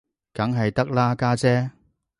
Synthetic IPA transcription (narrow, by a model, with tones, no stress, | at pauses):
kɐ˨˥ŋɦɐ˨jt̪ɐ˥k̚laː˥kaː˥t͡sɛː˥